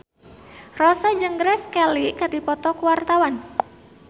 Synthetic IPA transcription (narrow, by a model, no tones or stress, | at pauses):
rɔsɛd͡ʒəŋɡɾɛskɛlikardipɔt̪ɔkuwart̪awan